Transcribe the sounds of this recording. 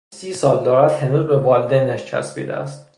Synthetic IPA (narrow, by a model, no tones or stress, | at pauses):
siːsɒːld̪ɒːɾæd̪̥henuːzbebɒld̪enːæʃt͡ʃʰæ̰sbḭːd̪æ̰æ̰st̪